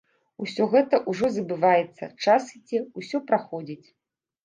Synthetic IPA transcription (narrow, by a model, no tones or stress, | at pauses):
usʲɔɣɛt̪ɐʔuʐɔzɐbɨvajɛt̪sːɐ̰t͡ʂasit͡sʲɛusʲɔpɾaxɔd͡zʲit͡sʲ